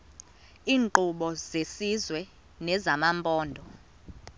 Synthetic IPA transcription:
iːŋǃuɓɔzesizwɛ | nɛzamampʼɔːndʱɔ

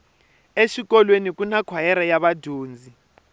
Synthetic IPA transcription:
eʃik̬ʼɔlwenik̬unakʰwajɛɾajaβadʱoːnd͡zʱi

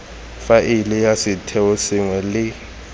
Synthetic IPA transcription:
faʔilijasɪtʰɛusɪŋwɛlɪ

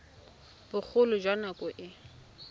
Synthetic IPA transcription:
bʊk͡xʰʊlʊd͡ʒwanakʼʊʔɪ

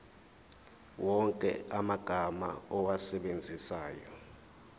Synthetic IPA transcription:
wɔŋkʼɛamaɡ̥ʱama̰ɔwasɛɓend͡zʱisaːjɔ

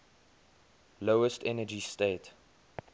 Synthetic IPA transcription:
loʊəstɛnəd͡ʒisteɪt

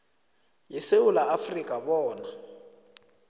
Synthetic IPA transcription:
jiseʊlaːfrikʼabɔːna

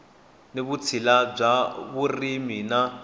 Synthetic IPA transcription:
neβut͡sʰilab͡ʐaβurimina

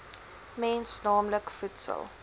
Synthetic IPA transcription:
mɛnsnɑːmləkfutsə̰lˠ

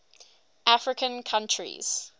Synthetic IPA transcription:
ʔafɹɪkʰə̃nkʰãnt͡ʃʰɹḭz̥

